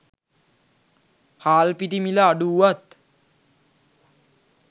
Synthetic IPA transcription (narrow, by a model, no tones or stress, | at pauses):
haːlpit̪imilaːɖuʋat̪